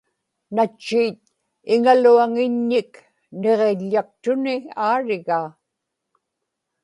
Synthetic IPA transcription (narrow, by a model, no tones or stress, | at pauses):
nat͡ʃːiːt̪̚ | ɪŋaluaŋɪɲːɪk | ne̞ʁeʎːak̚t̪ʊnɪaːɻɪɣaː